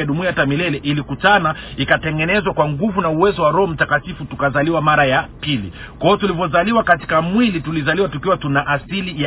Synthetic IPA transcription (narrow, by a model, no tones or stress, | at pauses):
aɗumuatamilɛlɛʔilikutanaikatɛŋɡɛnɛzwakwaŋɡuvunauwɛzɔwaɾɔm̩takatifutukazaliwamaɾajapilḭ | kaɔtulivɔzaliwakati̥kamwilitulizaliwatukiwatunaʔasilija